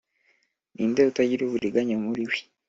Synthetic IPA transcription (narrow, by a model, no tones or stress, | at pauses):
niːndeutaɟiɾoβuɾiɡaɲamuɾiwi̥